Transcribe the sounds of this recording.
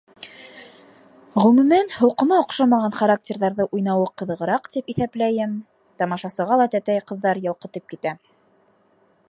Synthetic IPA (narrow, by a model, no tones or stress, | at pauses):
ʁɵmʉ̆mænhŏlˠqɤ̆mɑŏqʃɑmɑʁɑnχaɾak̚tʲeɾðɑɾðɤʔujnɑwɤqɤ̆ðɤ̆ʁɤ̆ɾɑqt̪ipiθæplæjɘm | t̪ɑmɑʃɑsɤ̆ʁɑlˠɑt̪æt̪æjqɤ̆ðːɑɾjɑlˠqɤ̆t̪ɤp̚kit̪æ